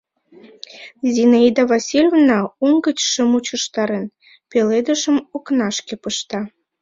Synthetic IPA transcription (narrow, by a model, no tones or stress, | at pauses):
zʲinaid̪ɑvɑsʲilʲovnɑuŋɡət͡ɕʃə̆mut͡ɕə̆ʃt̪ɑɾen | peled̪ə̆ʃə̆moknɑʃkepəʃt̪ɑ